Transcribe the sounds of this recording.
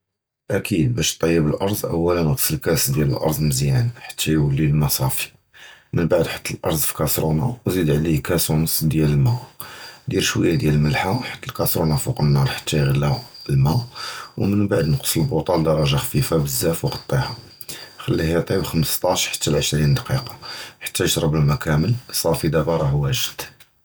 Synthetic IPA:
ʔækid̪̚bæʃt̪ˤːɑjːəbəlʔɑɾˤzˤʔə̰wːælənəqəsəlkæsd̪jælə̰lʔɑ̰ɾˤzˤməzjænħḁt̪ʰːæjwəlːilmɑsˤɑfi̥ | mənbaʕd̪ħə̥t̪ʰːəlʔɑ̰ɾˤzˤfi̥kɑsɾunawzid̪ʕlikæsunsd̪jæləlmæd̪jæləʃwə̰jːad̪jæləlməlħaħḁt̪ːəlkɑsɾunɑfuqənːɑɾˤħə̥t̪ːæjɣəlːæəlmæwmənbaʕd̪nqə̥sˤəlbot̪ˤɑld̪ɑɾˤɑʒaxfifabəzːæfwxɑ̥t̪ˤːihɑ | xəlːihæt̪ˤibxəməst̪ˤɑʃħḁt̪ʰːælʕəʃɾind̪ɑqiqɑ̥ħḁt̪ːæjəʃɾˤəbəlmækæməlsˤɑfid̪æbɑɾˤɑhwæʒəd̪̥

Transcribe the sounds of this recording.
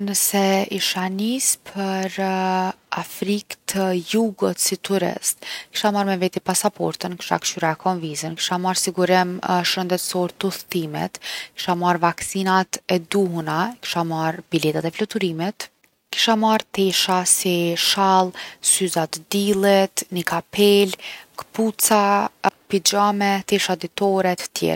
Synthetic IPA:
nəsɛiʃanispʰəɾ | afɾikt̪ʰəjuɡət̪sit̪uɾɛ̰st̪ki̥ʃamaɾmɛvɛt̪ipasapɔ̰ɾt̪ənki̥ʃa̰kʃyɾaɛkʰɔnvizənki̥ʃamaɾsiɡuɾɛmʃənd̪ɛt̪sɔɾt̪uθt̪imɛ̰t̪ki̥ʃamaɾvaksinat̪ɛd̪uɦunaki̥ʃamaɾbilɛt̪at̪ɛflɔt̪uɾimɛt̪ | ki̥ʃamaɾt̪ɛʃasiʃalˠsyzat̪d̪ilˠɛt̪nikapʰɛlkput͡sapid͡ʑamɛt̪ɛʃad̪it̪ɔɾɛt̪ə̥t̪jɛ̰

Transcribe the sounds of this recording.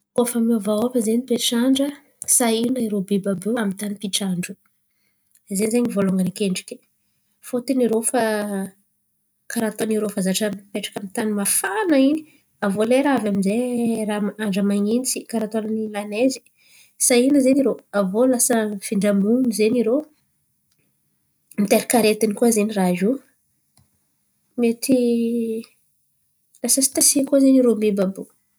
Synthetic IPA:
kofəmvaafəzenipeʈ͡ʂaɳɖ͡ʐə | sainaiɾobibabeamit̪anipiʈ͡ʂaɳɖ͡ʐu | ezenizeɲivoloŋɡankeɳɖ͡ʐi̥kʲi̥ | fot̪iniɾofa | kaɾat̪oniɾofazaʈ͡ʂəpeʈ͡ʂḁkʲamit̪animafanaini | avoleɾaavamizeramaɳɖ͡ʐəmaŋint͡sikaɾat̪onanilanezi̥ | sainəzeniɾoavolasəfiɳɖ͡ʐamunizeniɾo | mit̪eɾikaɾet̪inikuazeniraʒu | met̪ʰi | lasəsi̥t̪asikuazeniɾomebabu

